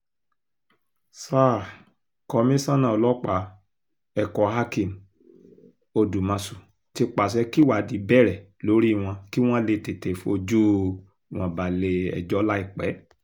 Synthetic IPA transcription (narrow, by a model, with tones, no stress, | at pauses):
sa˦˨ | kɔ˧˦mĩ˦sã˦nã˦˨˧lɔ˦k͡pa˧˦ | ɛ˦˨kɔ˨ha˦kĩ˨m˨ | o˧du˨mã˧su˨ | ti˧k͡pa˨s̬ɛ˧˦ki˦wa˨di˨˦bɛ˦˨ɾɛ˨ | lo˨˦ɾi˦˨w̃ɔ̃˧ki˦w̃ɔ̃˦le˧te˨te˨fu˦o˧d͡ʒu˦˨ | w̃ɔ̃˨ba˨le˧ɛ̰˨d͡ʒɔ˨˦la˦i˦˨k͡pɛ˨˦